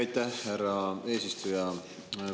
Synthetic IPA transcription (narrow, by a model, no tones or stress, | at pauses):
ɑjt̪ˑæhːæɾɑe̞ːsist̪ujɑ